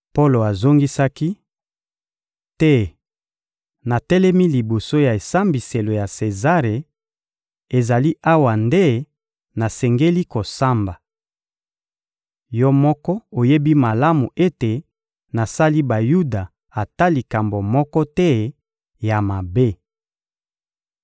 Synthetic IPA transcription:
po˦lo˨a˨zo˦ŋɡi˦sa˦ki˦ | tɛ˦ | na˨tɛ˦lɛ˦mi˦li˨bo˨so˦ja˨e˨sa˦mbi˨se˨lo˨ja˨se˨za˦ʁe˨ | e˨za˨li˦ʔa˦wa˨nde˦ | na˨sɛ˨ŋɡe˦li˦ko˨sa˦mba˨ | jɔ˦mɔ˦kɔ˦o˨je˦bi˦ma˨la˦mu˨ʔe˦te˨ | na˨sa˦li˦ba˨ju˦da˨ | a˨ta˦li˨ka˨mbo˨mɔ˦kɔ˦tɛ˦ | ja˨ma˨be˦

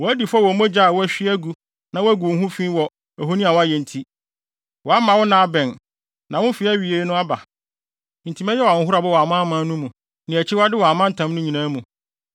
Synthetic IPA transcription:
wɔ˨æ˦di˨fa˦wɔ˨˦mɛ̃˦d͡ʑa˦˨wɔ˦æ˦ɕᶣi˦æ˦ɡu˨ | nã˨wæ˦ɡu˨˦ɦũ˦fĩ˦wɔ˨ | æ˨ɦo˦nĩ˦a˨wa˦jɛ˨n̩˨tʰi˦ | wɔ˨a˦mã˨wɔ˦nã˨a˦˨bɛ̃˨n | nã˨wʊ̃˦fi˨˦æ˦ɥi˨e˦nʊ̃˦a˦ba˨ | n̩˨tʰi˨mɛ̃˦jɛ˦w̩˨˦ɦʊ˦ɾa˨bɔ˦wɔ˨a˨mã˦mã˦nũ˦mũ˨ | nɪ̃˨æ˨t͡ɕʰɪ˦wa˦dɪ˦wɔ˨a˨mã˦n̩˨tʰã˨˦mnʊ̃˦ɲĩ˨nãː˦mũ˨

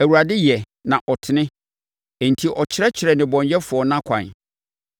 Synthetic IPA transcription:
æ˨wu˨ɾa˨dɪ˦jɛ˨ | nã˨ʔɔ˨tʰɪ˨nɪ̃˦ | ɛ˨n̩˨tʰi˦ʔɔ˨t͡ɕʰɪ˦ɾɛ˦t͡ɕʰɪ˨ɾɛ˨nɪ̃˨bɔ̃˨ɲjɛ˦fʊ˨ɔ˨nã˦kʷʰã̰˨n

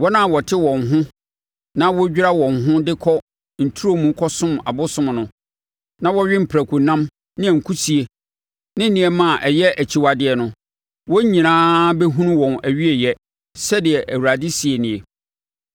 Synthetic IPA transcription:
wɔ˦nã˦˨wɔ˨tʰɪ˦wɔ̃˨nɦʊ̃˦ | nã˦wɔ˦d͡ʑᶣi˦ɾa˦wɔ̃˨ŋɦʊ̃˦dɪ˦kʰɔ˦ | n̩˨tʰu˦ɾo˦mũ˨˦kʰɔ˦sʊ̃˦ma̰˨bʊ˦sʊ̃˦mnʊ̃˨ | nã˦wɔ˦ɥᶣɪ˦m̩˨pʰɾæ˨kʰu˨nã˦m | nɪ̃˦ɛ˨ŋ̩˨kʰu˦si˨e˨ | nɪ̃˦n̩˦nɪ̃˨˦ɛ˦˨mã˦˨ʔɛ˨jɛ˦ʔæ˨t͡ɕʰi˦wa˨dɪ˦ɛ˨nʊ̃˨ | wɔ˦ɲĩ˨nãː˦bɛ˦ɦũ˦nũ˦wɔ̃˨næ˨ɥi˦e˨jɛ˦ | sɛ˦dɪ˨ɛ˨ʔæ˨wɾa˨dɪ˦si˨e˨nɪ̃˨e˨

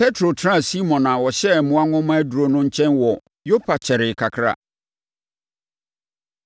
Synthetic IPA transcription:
pɛ˦tʰɾo˨tʰɾã˦˨si˦mɔ̃˨nã˨wɔ˨ɕɛ˦˨mʊ̃˦a˦ŋʊ̃˦m˦æ˦du˨ɾo˨nʊ̃˦ɲ̩˦t͡ɕʰɛ̃˦nwɔ˨ | jo˦pʰa˨t͡ɕʰɛ˨ɾɪ˨kʰa˨kʰɾa̰˦

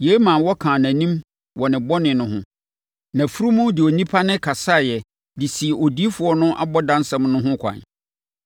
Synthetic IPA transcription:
je˨˦mã˨wɔ˦kʰã˨næ̃˨nĩ˦m | wɔ˨nɪ̃˨bɔ˦nɪ̃˨nʊ̃˦ɦʊ̰̃˦ | nã˨fu˦ɾu˦mʊ̃˦dɪ˨ɔ˨nĩ˦pʰa˦nɪ̃˦kʰa˨sa˦˨jɛ˨ | dɪ˨si˨o˨di˦fʊ˨ɔ˦nʊ̃˦ʔa̰˦bɔ˦dã˦nsã˦mnʊ̃˦ɦʊ̃˦kʷʰã̰˨n

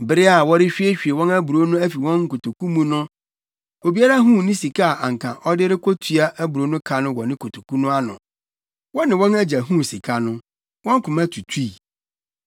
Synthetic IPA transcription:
bɪ˦ɾɪ˦a˨wɔ˦ɾɪ˦ɕᶣi˦e˦ɕᶣi˨e˨wɔ̃˦næ˦bu˨ɾo˦nʊ̃˦æ˦fi˨wɔ̃˦nŋ̩˦kʊ˨tʰo˨kʰũ˦mũ˦nʊ̃˦ | o˨bi˦a˦ɾa˦ɦũ˦˨nɪ̃˦si˨kʰa˦˨ʔa˨ŋ˨kʰã˨ʔɔ˦dɪ˦ɾɪ˦kʰɔ˦tʰu˨a˦ʔæ˦bu˨ɾo˦nʊ̃˦kʰa˨nʊ̃˦wɔ˨nɪ̃˦kʰo˨tʰo̥˨ku˦nʊ̃˦a˦nʊ̃˨ | wɔ˦nɪ̃˨wɔ̃˦næ˦d͡ʑæ˨ɦũ˦si˨kʰa˦nʊ̃˦ | wɔ̃˦ŋ˦kʰʊ̃˨mã˦tʰu˨tʰi˦˨

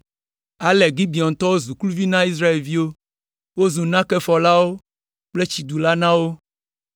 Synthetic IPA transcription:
a˨lɛ˨ɡi˦bi˨ɔ˨n̩˨t̪ɔ˦wo˦zu˨klu˦vi˦nã˦i˦s̬ɾa˦e˨lvi˦wo˦ | wo˦zũ˨nã˦kɛ˦fɔ˨la˦wo˦ | k͡ple˦t͡ɕi˨d̪u˨la˦nã˦wo˦

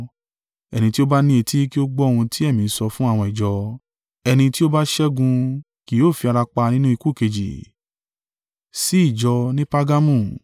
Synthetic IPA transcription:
ɛ˧nĩ˧ti˦o˦ba˦nĩ˦e˧ti˦ki˦o˦ɡ͡bɔ˦˧hũ˧tʰi˦ɛ˦˨mĩ˨˦sɔ˧fũ˦a˦˨w̃ɔ̃˧i˨d͡ʒɔ˨˧ | ɛ˧nĩ˧ti˦o˦ba˦ʃɛ˦ɡũ˧ | ki˨˦oː˦˨fi˧a˧ɾa˧k͡pa˧nĩ˦nũ˦i˧ku˦˨ke˨d͡ʒḭ˨ | si˦i˦˨d͡ʒɔ˧nĩ˦pa˦ɡa˦mũ˦˨

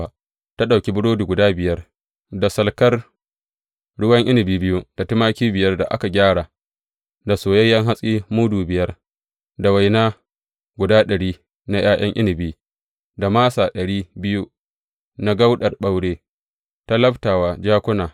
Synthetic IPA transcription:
ta˦ɗa˨wkʲi˦bʊ˦ɽoː˦du˨ɡʷʊ˨daː˦bɪ˨jɐ˦r | da˨sɐ˨lkɐ˦r | ɽʊ˦wɐ˦ŋʔɪ˦nɪ˨biː˦bɪ˦ju˦d̥a˨tɪ˦maː˦kʲiː˦bɪ˨jɐ˦rda̰˨ʔa̰˦ka˨ɡʲaː˦ɽaː˨ | da˨soː˨jɐ˦jːɐ˦ŋɦa˦sʼiː˦muː˦duː˨bɪ˨jɐ˦r | da˨wa˨jnaː˦ | ɡʷʊ˨daː˦ɗɐ˨ɽiː˦ | na˦j̰ʔaː˦j̰ɐ̰˦ŋʔɪ̰˦nɪ˨biː˦ | da˨maː˦saː˨ɗɐ˨ɽiː˦bɪ˦ju˦ | na˦ɡa˦wɗɐ˨rɓa˦wɽeː˦ | ta˦lɐ˦ɸtaː˨waː˨d͡ʒaː˦kʷʊ˦naː˨

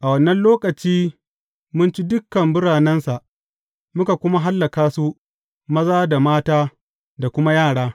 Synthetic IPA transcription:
ʔa˨wɐ˨nːɐ˦nloː˦kʼɐ˨t͡ʃiː˦ | mʊ˦nt͡ʃi˦dʊ˦kːɐ˨mbʊ˦ɽaː˨nɛ˦nsa˨ʔ | mʊ˦ka˨kʷʊ˦ma˦ɦa˦lːa˨kaː˦su˦ʔ | mɐ˦zaː˦da˨maː˦taː˦ | da˨kʷʊ˦ma˦jaː˦˨ɽaː˦

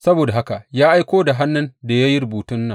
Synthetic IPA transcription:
sɐ˦boː˨da˨ɦa˦ka˨jaː˦ʔa˦jkʷoː˦da˨ɦa˦nːʊ˦nda˨ja˦ji˦ɾʊ˨buː˨tʊ˦nːɐ˨

